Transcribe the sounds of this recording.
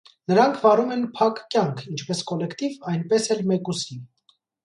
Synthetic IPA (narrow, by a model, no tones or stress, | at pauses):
nəɾɑŋkʰvɑɾumɛnpʰɑkːjɑŋkʰint͡ʃʰpɛskɔlɛkʰt̪ivɑjnpɛsɛlmɛkusin